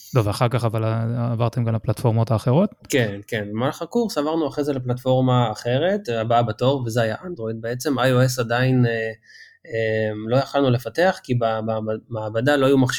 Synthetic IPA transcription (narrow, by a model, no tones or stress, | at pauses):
loveaχaʁkaχavalaːvaʁt̪e̞mɡamlaplatfo̞ʁmothaːχeʁo̞t̪kenke̞nvemalχakuʁsavaʁnuaχʁezeleplatfo̞ʁmaːχe̞ʁe̞tabaabato̞vve̞zeajaʔandʁo̞jd̪̚beet͡se̞majoesadaine | emlo̞jaχalnule̞fateaχkibamaːbadalo̞ajumaχʃ